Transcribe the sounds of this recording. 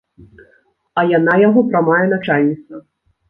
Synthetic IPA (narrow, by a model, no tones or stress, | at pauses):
ɐjanajaɣɔpɾɐmajɛnat͡ʂalʲnʲit̪sɐ